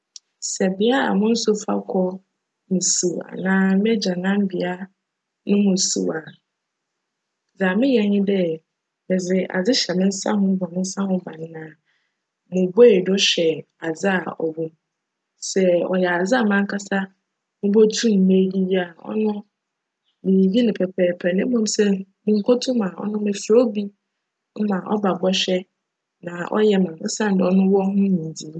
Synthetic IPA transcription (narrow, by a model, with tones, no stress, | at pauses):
sɛ˨bɪ˨a˦a̰˨mʊ̃˦n̩˦sʊ˦fa̰˦kʰɔ˦ | mɪ̃˨su˨a̰˨nãː˨˦mɛ˦d͡ʑa˨nã˦m˦bɪ˨a˦ | nʊ̃˦mʊ̃˨sṵ˦a˨ | d͡za˨mɪ̃˦jɛ̃˨ɲɪ̃˦dɛ˦ | mɪ̃˨d͡zɪ˨a̰˨d͡zɪ˦ɕɛ˨mɪ̃˦n̩˦sa̰˦ɦʊ̃˦m˦bɔ˨mɪ̃˦n̩˦sa˦hʊ̃˦bã˨nɪ̃˦nãː˨ | mʊ̃˨bo˦e˨dɔ˦ɕᶣɛ˨ | a˨d͡zɪ˦a˨ɔ̰˨bo˨ | sɛ˦ɔ̰˨jɛ˨a˨d͡zɪ˦a˨mã˦ŋ˦kʰa˦sa˦ | mɪ̃˦bo˦tʰũ˦n˨me˦di˦ɥi˦a˨ɔ̰˦nʊ̃˦ | mɪ̃˨bi˦nɪ̃˨pʰɛ˨pʰɛ˨pʰɛ˨nɪ̃˦mɔ̃˦m˦sɛ˦mɪ̃˨ŋ̩˦kʰo˦tʰʊ̃˦mã˨ɔ̰˦nʊ̃˦mɪ̃˨si˨˦ɔ˦bi˦ | mã˨ʔɔ˦ba˨bɔ˦ɕᶣɛ˦ | nã˨ʔɔ̰˦jɛ˦mã˨ɪ˦sã˦n̩˨dɪ˨ɔ˦nʊ̃˦wɔ˦hʊ̃˦nĩ˨di˨˦